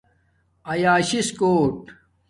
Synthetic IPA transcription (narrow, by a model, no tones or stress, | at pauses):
ɐjaːɕiskoːʈ